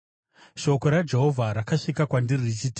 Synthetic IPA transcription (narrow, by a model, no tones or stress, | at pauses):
ʃo̞ko̞ɾad͡ʒe̞ɦo̞vʱaɾakaʂikakwandirirt͡ʃit